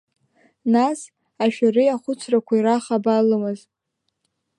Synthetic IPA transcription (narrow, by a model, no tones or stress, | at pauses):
nas | aʃᶣarɨaχʷʊt͡sʰrakʷʰaiɾaχabalɨmɨz